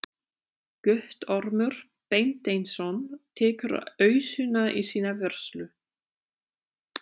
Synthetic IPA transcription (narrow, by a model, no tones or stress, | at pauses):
kœht̪ɔɾmʏɾ̥ | pejnt̪ejnsɔnt̪ʰɛːkʏɾœːɥsʏnaʔḭsiːnavɛɾ̥slʏ